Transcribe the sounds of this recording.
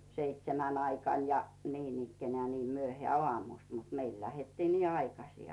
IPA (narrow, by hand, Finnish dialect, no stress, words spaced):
seitsemæn ɑikɑˑn jɑ niːnikːenæː niː myøhĕæˑ oɑˑmust mut meil læhetːiː niː ɑikɑsi